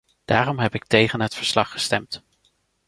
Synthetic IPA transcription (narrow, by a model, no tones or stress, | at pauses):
d̥aːrɔmɦɛpɪk̚tejχənɦətfəɹslɑχːə̥stɛmt